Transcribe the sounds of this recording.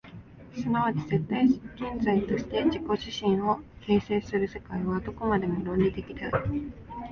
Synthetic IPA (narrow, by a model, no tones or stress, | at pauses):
sɨnaβ̞at͡ɕize̞t̪ːaikẽ̞nd͡zait̪o̞ɕi̥t̪e̞ʑiko̞ʑiɕĩɰ̃o̞ke̞ːse̞ːsɨɾɯ̟se̞kaiβad̪o̞ko̞mad̪e̞moɾõ̞nʲɾʲid̪e̞kʲi̥t̪ai